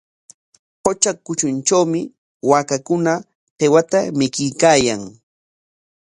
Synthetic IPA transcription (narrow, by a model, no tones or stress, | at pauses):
hot͡ʃakʊt͡ʃʊnt͡ʃawmɪ | waːkakʊna | t̪ewat̪amɪkɪjkaːjaŋ